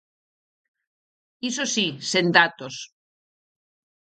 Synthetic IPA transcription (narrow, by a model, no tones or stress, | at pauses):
isosisend̪at̪os